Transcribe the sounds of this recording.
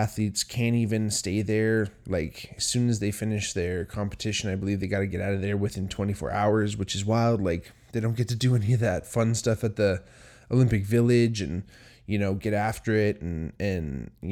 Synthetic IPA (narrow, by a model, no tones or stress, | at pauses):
æθlitskʰæ̃nivɨ̃nsteɪðə˞laɪkɨz̥sʉ̃nɨzðeɪfɪ̃nɨʃðə˞kʰɑ̃mpə̥tʰɪʃɨ̃naɪbəlivðeɪɡɑɾɨɡɛɾaʊɾʌvðə˞wɨθɪ̃ntʰw̥ɛ̃ɾ̃ifɔ̰ɹʔa̰ʊə˞zwɨt͡ʃɨzwaɪlˠdˡlaɪk | ðeɪɾõʊ̃nɡ̥ɛtʰɨdɨɛniʌvðɨtfʌ̃nstʌfɨt̪̚ði | ʔoʊlɪ̃mpɨkvɪlˠɪd͡ʒɨ̃n | jɨnoʊɡɛɾæftə˞ɪɾn̩ɨ̃nj